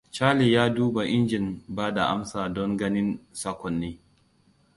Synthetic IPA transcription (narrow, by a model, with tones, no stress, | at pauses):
t͡ʃaː˦li˨jaː˦duː˦ba˨ʔɪ˦nd͡ʒɪ˨nbaː˦da˨ʔa̰˦msaː˨dɔ˦ŋɡɐ˦nɪ˦nsa˦kʷɔ˨nːeː˦